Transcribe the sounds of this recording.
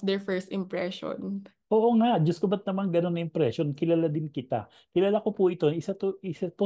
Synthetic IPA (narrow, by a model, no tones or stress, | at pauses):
d̪ɛɹfɛɹst̪ɪ̃mpɹɛʃo̰nʔoːʔo̞ŋaʔd͡ʒɐskʊbɐt̪̚nɐmaŋɡɐno̞nːɐʔɪmpɾɛʃo̞nkɪlaːlad̪ɪnkɪt̪a̰ | kɪlaːlakopʊʔɪt̪o̞ɪsat̪oʔɪsat̪o